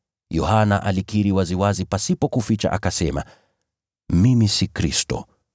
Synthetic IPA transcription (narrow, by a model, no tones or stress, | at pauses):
jɔ̰hanaʔalikiɾiwaziwazipasipɔkufit͡ʃa̰ʔa̰kasɛma̰ | mimisikɾḭstɔ̰